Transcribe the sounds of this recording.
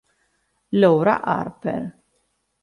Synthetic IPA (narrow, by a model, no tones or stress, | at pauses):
lɔwɾɐ̰ʔɐ̰ɾpɛ̰ɾ